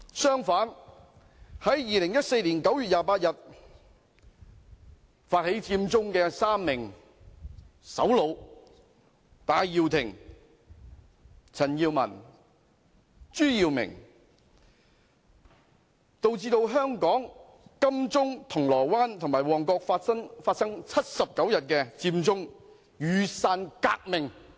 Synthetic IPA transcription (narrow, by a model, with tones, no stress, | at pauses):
sœː˥ŋfaː˨˥n | hɐ˨˥jjiː˨˧lɪ˨˩ŋjɐ˥t̚se˧jliː˨˩nkɐ˨˥wjyː˨t̚jaː˨˧paː˧t̚jɐ˨t̚ | faː˧t̚he˨˥jt͡sʰiː˧mt͡sʊ˥ŋkɛː˧saː˥mːɪ˨˩ŋ | sɐ̰˨˥wlo˨˧w | t̪aː˨˧jjiː˧wt̪ʰɪ̰˨˩ŋ | t͡sʰɐ˨˩njiː˧wmɐ̰˨˩n | t͡ʃyː˥jiː˧wmɪ̰˨˩ŋ | t̪o˧wt͡siː˧t̪o˧wɦœː˥ŋkɔː˨˥ŋ | kɐ˥mt͡sʊ˥ŋt̪ʰʊ˨˩ŋlɔː˨˩jwaː˥nt̪ʰʊ˨˩ŋmaː˨˩jwɔː˨˩ŋkɔː˧k̚fɐ˥ŋfaː˧t̚sɐ˥ŋt͡sʰɐ˥t̚sɐ˨p̚kɐ˨˥wjɐ˨t̚kɛː˧t͡siː˧mt͡sʊ˥ŋ | jyː˨˧saː˧nkaː˧k̚mɪ˨˩ŋ